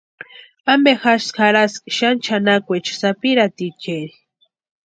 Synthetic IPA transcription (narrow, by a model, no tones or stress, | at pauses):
ambexaʃskʰaɾaskʃant͡ʃʰanakʷet͡ʃḁsapiɾat̪it͡ʃeɾi